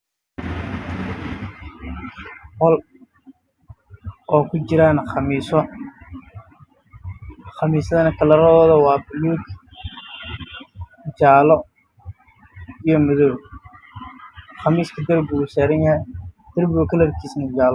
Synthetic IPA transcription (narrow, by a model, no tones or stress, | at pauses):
hɔl | ɔːkʰʊt͡ʃɪɾaːnɑmiːsɔ | χɑmiːsɐðɐnɐkʰɐlɐɾɔːðɐwɑːbɪluːɡ | d͡ʒaːlɔ | ijɔmʊðɔː | χɑmiːskʰɐd̪ɐrbusɛːɾɐnjɐhɛjd̪̥ɐrbʊkʰɐlɐɾkʰiːsnɐd͡ʒaːlɔ